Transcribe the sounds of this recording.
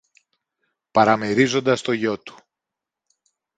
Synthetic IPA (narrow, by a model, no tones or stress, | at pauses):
pɐɾɐmiɾizo̞nd̪ɐst̪o̞ʝo̞t̪u̥